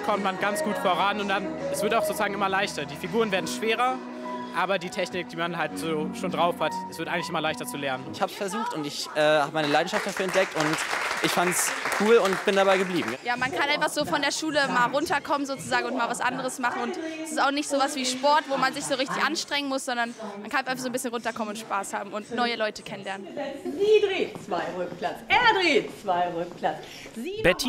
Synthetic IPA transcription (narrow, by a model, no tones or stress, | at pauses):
kʰɔmtmanɡant͡sɡ̥uːtfoɐʁanʊnt̚d̥anɛsv̥ɪɐtaʊxz̥oːt͡suzaːɡŋ̩ʔɪmɐlaɪçtɐdiːfiɡuːʁənveːɐdn̩ʃv̥eːʁɐ | ʔaːbɐdiːtʰɛçnɪk̚d̥iːmanɦaltz̥oːʃoːndʁaʊfhatʔɛsv̥ɪɐtaɪɡŋ̩lɪçʔɪmɐlaɪçtɐt͡sulɛɐnənntɪçhaːpsfɛɐzuːxtʊntɪçʔɛːha̰ːbəmaɪnəlaɪn̩ʃaft̚d̥afyːɐɛnt̚d̥ɛk̚tʊntʔɪçfantskʰuːlʊnt̚b̥ɪndabaɪɡəbliːbm̩jaːmankʰanʔaɪnfaχz̥oːfɔndeːɐʃuːləmaːlʁʊntɐkʰɔmənzoːt͡suzaːɡŋ̩ʊntmaːlvasʔa̰ndəʁəsmaχn̩ʊntɛsɪstaʊxnɪçtz̥oːvasv̥iːʃpɔɐtvoːmanzɪçz̥oːʁɪçtɪçʔanʃtʁ̥ɛŋənmʊsz̥ɔndɐnmankʰanafʔaɪfaszonbɪsçənʁʊntɐkʰɔmənʊntʃpaːshaːbm̩ʊntnɔʏəlɔʏtəkʰɛnənlɛɐnənzidʁiːt͡sv̥aɪʁʏkpʰlat͡sʔɛɐdʁiːt͡sv̥aɪʁʊk̚pʰlat͡sː | b̥ɛtʰi